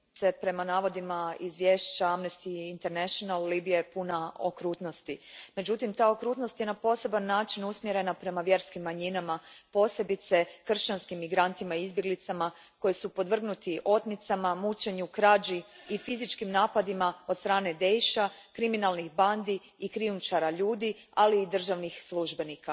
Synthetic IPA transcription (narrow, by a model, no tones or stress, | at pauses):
se̞pɾe̞manaːʋo̞d̪imaizʋje̞ːʃt͡ɕaamnest̪iint̪eɾneʃonalːibijepunao̰kɾuːt̪no̞st̪ime̞d͡ʑut̪imt̪aːokɾuːt̪no̞st̪je̞napo̞ːse̞banːaːt͡ʃinusmjeɾe̞napɾe̞maʋje̞ɾskimːaɲinamapo̞ːse̞bit̪se̞kr̩ʃt͡ʃanskimːiɡɾant̪imaiizbje̞ɡlit̪sama | ko̞jisupo̞d̪ʋr̩ɡnut̪iʔo̞t̪nit̪samamut͡ʃe̞ɲukɾad͡ʒiifizit͡ʃkimnaːpad̪imao̞d̪st̪ɾaːne̞d̪e̞jʃakɾiminalˠnixband̪iː | kɾiumt͡ʃaɾaʎuːd̪i | aliːd̪r̩ʒaʋnixslˠuʒbe̞nika